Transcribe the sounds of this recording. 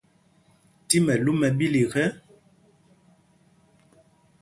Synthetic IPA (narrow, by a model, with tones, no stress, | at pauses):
ti˦mɛ˨lu˦mɛ˨bi˦li˨ɣɛ˦